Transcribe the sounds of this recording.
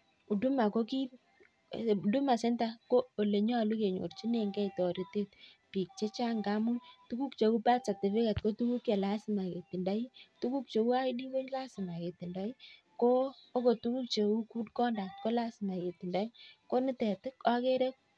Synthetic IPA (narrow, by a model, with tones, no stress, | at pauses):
u˨du˦ma˨ko˦ki˦˨ | du˦ma˨sɛ˦nta˦ko˦o˨le˨ɲa˦˨lu˦ke˨ɲo̰˨rt͡ʃi˦ne˨ŋɡɛ˦˨tɔ˨ɾi˨te˦t̚pi˨k̚t͡ʃe˦t͡ʃa˦ŋɡa˦mu˦tu˦ku˦kt͡ʃe˨u˦pa˦t͡ʃa˨te˨fe˦ka˨t̚ko˦tu˦ku˦kje˨la˦sɪ˨ma˨ke˨ti˨nda˦ji˦tu˦ku˦k̚t͡ʃe˨u˦a˦di˦ko˦la˦sɪ˨ma˨ke˨ti˨nda˦i˦ | koː˦ko˨tu˦ku˦k̚t͡ʃe˨u˦ku˦dkɔ˦nda˨t̚ko˦la˦sɪ˨ma˨ke˨ti˨nda˦i˦ko˦nɪ˦tɛ˨tɪ˦ka˦ke˦ɾɛ˦k̚